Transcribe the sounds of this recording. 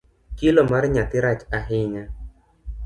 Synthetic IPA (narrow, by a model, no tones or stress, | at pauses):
kɪlɔmarɲat̪ɪɾat͡ʃaɦɪɲa